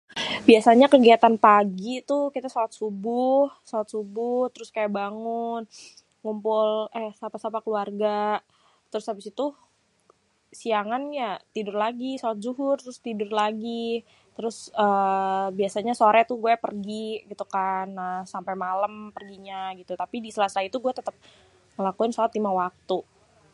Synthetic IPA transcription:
biasaɲakəɡiat̪anpaɡit̪ʊhkit̪asolat̪̚subʊhsaat̪̚subʊht̪əɾʊskajabaŋʊn | ŋumpʊlɛhsapasapakluarɡa | t̪əɾʊsapisit̪u | siaŋanjat̪idʊrlaɡisoat̪̚d͡ʒuɦʊrt̪ɾʊst̪idʊrlaɡi | t̪əɾʊsəːbiasaɲasoɾɛt̪ʊɡuɛpərɡiɡit̪ukanəsampajmaləmpərɡiɲaɡit̪ut̪apidisəlasait̪uɡuɛt̪ət̪əp̚ | ŋəlakuɪnsaat̪limawak̚t̪u

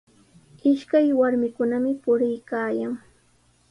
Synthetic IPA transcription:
ɪʃkajwaɾmɪkʊnamɪpʊɾɪjkaːjaŋ

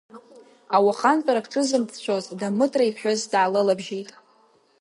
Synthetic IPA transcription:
awaχant͡sʼaɾakʰʼʈ͡ʂʰɨzɨmtʰt͡ʃʷʰozdamɨtʼraiħʷᶣʊzdʕalɨlabʒejtʼ

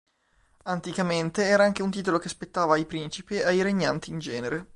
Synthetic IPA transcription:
ant̪ikament̪eɛːɾaaŋk̟eunt̪̬iːt̪olokeaspet̪ːaːvaːjpɾint͡ʃipiajɾeɲːant̪iːnd͡ʒɛːneɾe

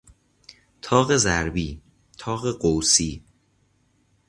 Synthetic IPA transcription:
t̪ʰɒːɣe̞zæɾbiː | t̪ʰɒːɣe̞ɢowsiː

